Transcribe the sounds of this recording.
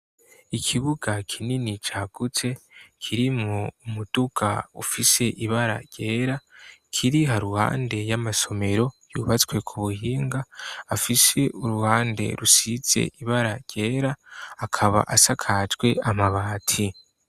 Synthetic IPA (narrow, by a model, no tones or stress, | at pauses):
ikʰiβuɡakʰininit͡ʃaːɡ̥ut͡se̞kʰiɾimŋoumud̥ukʰa̰ufise̞ʔiβaɾa̰ɾɟe̞ːɾakʰiɾiɦaɾuha̰ːnde̞jamaso̞me̞ɾo̞jṵβat͡skwe̞kʰuβuhiːŋɡaːfise̞uɾuhaːnde̞̰ɾusiz̥e̞̰ʔiβaɾaɾɟ̥e̞ːɾaːkʰaβa̰ʔasakʰatɡwe̞amaβaːtʰi